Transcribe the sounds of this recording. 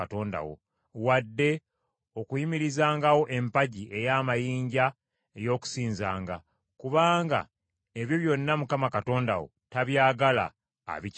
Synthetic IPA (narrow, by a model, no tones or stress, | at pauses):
ato̞ːnda̰wo̰ | wadːe̞ | o̞kujimiɾizaːŋɡawo̞ʔe̞mpaɟiʔe̞jaːmajiːɲɟa | ejo̞ːku̥siːnza̰ːŋɡa̰ | kuβaːŋɡa̰ | e̞βjo̞βjo̞nːamukamakato̞ːnda̰wo̰taβjaːɡala̰ː | βic